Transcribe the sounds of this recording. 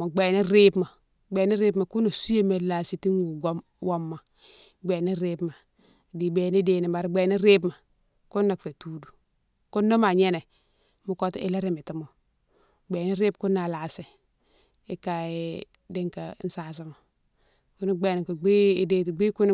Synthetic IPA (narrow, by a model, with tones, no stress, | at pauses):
a˨ɡ͡be˨ni˦ɾe˦bma˨ | ɡ͡be˨ni˦ɾe˦bma˨ku˦no˨si˦je˦me˨la˨si˦ti˦nu˨ɡo˦m | wo˦mːa˨ | ɡ͡be˨ni˦ɾe˦bma˨ | di˨be˨ni˦deː˨ni˨ba˨ɾɡ͡be˨ni˦ɾe˦b̬ma˨ | ku˦nːa˨kfe˨tuː˦du˨ | ku˦nːo˦ma˨ɲe˦ne˨ | mu˦ko˦tḭ˦le˦ɾi˦˨mi˨ti˨˦mo˨ | ɡ͡be˨ni˦ɾe˦bku˦nːa˨la˨se˨ | i˦ka˨i˦ | di˦ŋka̰˨˦n̩˦sa˨s̬i˦ma˨ | ku˦ni˦ɡ͡be˨ni˨ku˨ɡ͡bi˦de˦ti˨ɡ͡bi˦ku˦n˦